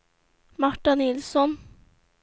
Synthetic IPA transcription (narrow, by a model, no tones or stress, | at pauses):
mɑʈɑnɪlsɔn